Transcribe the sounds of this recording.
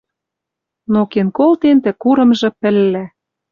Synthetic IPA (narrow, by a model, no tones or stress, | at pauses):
nokenkolt̪ent̪ɘ̆kuɾɤ̆mʒɤ̆pɘ̆lːæ